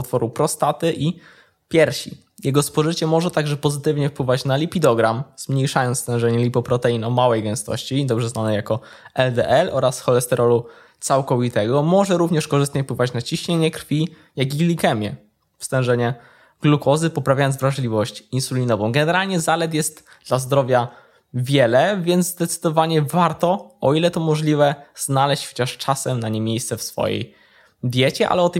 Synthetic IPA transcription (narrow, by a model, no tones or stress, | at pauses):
ut̪fɔɾupɾɔst̪at̪ɘʔi | pʲjɛɾɕḭ | jʔɛɡɔspɔʐɘt͡ɕɛmɔʐɛt̪aɡʐɛpɔzɘt̪ɘvɲɛfpwɘvat͡ɕnalʲipʲid̪ɔɡɾamz̥mɲejʂajɔnst̪ɛ̃w̃ʐɛɲɛlʲipɔpɾɔt̪ɛinɔmawɛjɡɛ̃w̃st̪ɔ̰ɕt͡ɕid̪ɔbʐɛznanɛjakɔ | ɛld̪ɛʔɛlʔɔɾasxɔlɛst̪ɛɾʔɔlu | t̪sawkɔvʲit̪ɛɡɔmɔʐɛɾuvɲɛʂkɔʐɘst̪ɲɛfpwɘvat͡ɕnat͡ɕiɕɲeɲɛkɾfʲi | jaɡiɡlʲikɛmʲjɛ̰ | fst̪ɛ̃w̃ʐɛɲɛ | ɡ̥lukɔzɘpɔpɾavʲajɔnzvɾaʐlʲivɔɕt͡ɕinsulʲinɔvɔ̃w̃ɡɛnɛɾalɲɛzalɛt̪jɛst̪ | d̪̥lazd̪ɾɔvʲja | vʲjɛlɛvʲjɛnd̪zzd̪ɛt̪sɘ̥d̪ɔvaɲɛvaɾt̪ɔʔɔilɛt̪ɔmɔʐlʲivɛz̥nalɛɕt͡ɕxɔ̥t͡ɕaʂt͡ʂasɛmnaɲemʲjejst̪sɛfsfɔ̰jḛj | d̪ʲjɛt͡ɕɛʔa̰lɛɔt̪